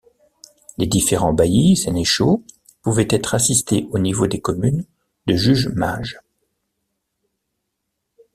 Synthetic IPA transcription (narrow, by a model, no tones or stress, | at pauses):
led̪ifeʁɑ̃bajisɛneʃo | puvɛt̪ɛt̪χasist̪eʔonivod̪ekɔmyn | d̪əʒyʒma̰ʒ